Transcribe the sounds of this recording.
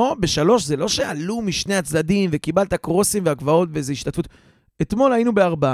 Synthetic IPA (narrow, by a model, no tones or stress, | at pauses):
obeʃalo̞ʃzelo̞ʃe̞alumiʃne̞at͡sdad̪imvekibalt̪akʁo̞simveaɡvao̞t̪vezeiʃt̪at̪fut̪ | et̪mo̞lainubeaʁba